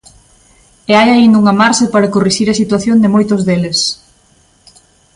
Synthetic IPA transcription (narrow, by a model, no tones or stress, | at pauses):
eajaind̪uŋɐmaɾʃepaɾɐkoriʃiɾɐsit̪waθjond̪ɪmojt̪ʊzðelɪs